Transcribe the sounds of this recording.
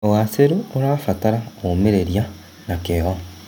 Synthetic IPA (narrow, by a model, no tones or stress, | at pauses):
owaseɾuoɾaːfataɾaomeɾeɾja | nakeɦo